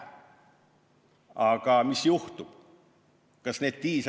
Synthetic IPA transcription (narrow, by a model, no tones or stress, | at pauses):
ɑkɑmisjuht̪up | kɑsneːt̪t̪iːs